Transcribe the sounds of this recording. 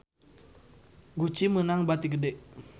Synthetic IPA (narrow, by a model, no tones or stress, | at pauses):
ɡut͡ʃimənaŋbat̪iɡədɛʔ